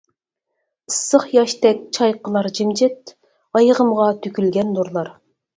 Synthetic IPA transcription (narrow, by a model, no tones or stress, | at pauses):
ɨsːəχjɑʃt̪ɛk̚ʲt͡ʃʰɑjqəlˠɑɾd͡ʒimd͡ʒɛt̪ | ɑjəʁəmʁɑt̪ʰykʲylɡʲɛnːuɾlˠɑɾ